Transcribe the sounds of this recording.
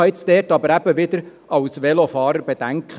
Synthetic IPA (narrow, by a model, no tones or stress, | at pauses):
ɪt͡sd̥̪ɛːɾtɑbəɾæb̥əʋɪd̪əɾ | ɑʊsʋɛlofɑːɾəɾbed̥̪æŋkʰχ